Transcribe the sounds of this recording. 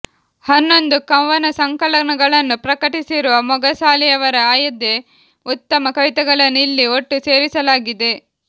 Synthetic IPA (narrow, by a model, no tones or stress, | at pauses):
hɐnːo̞nd̪ukɐʋɐnɐsɐŋkɐlɐnɐɡɐɭɐnːupɾɐkɐʈisiɾuʋɐmɔɡɐsaːlɛjɐʋɐɾɐaːjɐd̪ːe | ut̪ːɐmɐkɐʋit̪ɐɡɐɭɐnːilːioʈːuse̞ːɾisɐlaːɡid̪e̞